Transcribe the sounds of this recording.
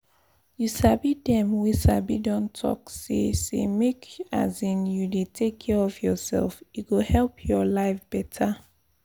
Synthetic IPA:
jusabidɛ̃mwisabidɔ̃ntʰɔ̰ksḛsḛmekʰa̰zĩnjudetʰekʰːɛɹɔfjɔsɛ̰lˠfiɡohɛlpʰjɔlaɪfb̥ɛtʰa

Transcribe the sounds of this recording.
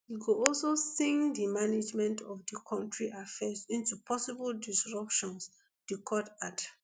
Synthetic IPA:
jiɡuɔlsosĩŋdimaned͡ʒmɛ̃ntʰɔfdəkʰɔ̃ntɹiʔafɛsĩntupʰɔsibəldisɹʌpʃɔ̃ns | dikʰɔtad

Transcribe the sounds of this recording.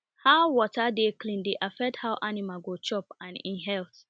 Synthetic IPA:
haʊwɔtadeklĩndeʔafɛthawʔanimalɡot͡ʃɔpãnḭ̃nɦɛlt

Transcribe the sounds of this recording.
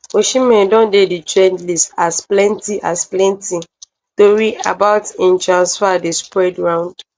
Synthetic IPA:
oʃĩmɛ̃ndɔ̃ndeditɹɛ̃ndlistasplɛ̃ntiʔasplɛ̃nti | toɹia̰baʊtĩntɹãnsfadespɹɛdɹãʊ̃nd̥

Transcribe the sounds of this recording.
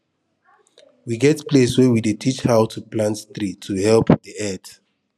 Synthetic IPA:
wiɡɛtpleswɛwidetʰit͡ʃhawtʰuplãntt̪ɾitʰuhɛlpdiɛt

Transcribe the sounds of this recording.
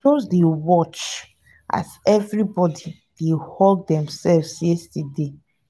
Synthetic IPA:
ozdewɔt͡ʃ | ʔa̰zɛvɹibɔdi | d̥ehɔlddɛ̃msɛlvsjɛstɛde

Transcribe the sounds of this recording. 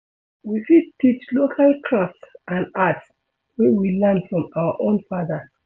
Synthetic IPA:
wifid̚tit͡ʃlokʰalkʰɹastʔãnats | wɛwilɛ̃ndfɹɔ̃maəʔõnfaðə

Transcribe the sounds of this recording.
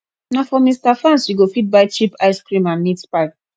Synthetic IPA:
nafɔmistafɹãnswiɡofit̚bajt͡ʃipaɪskɾĩmãnːitpak

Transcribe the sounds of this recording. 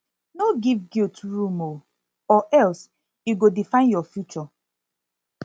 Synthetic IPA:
noɡivɡiltɹumo | ɔʔɛls | juɡodifãɪ̃njɔfjut͡ʃɔ

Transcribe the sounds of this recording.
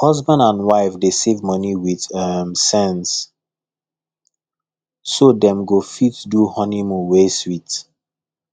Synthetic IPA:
hʌzbãndãnwaɪfdesevmɔniwiðɔmsɛ̃ns | sodɛ̃mɡofitduhɔnimuweswit

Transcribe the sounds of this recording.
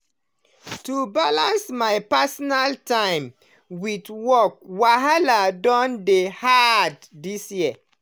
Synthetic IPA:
tubalãnsmajpasɔnaltãɪ̃m | widwɔk̚waɦaladɔ̃ndehadːisjiə

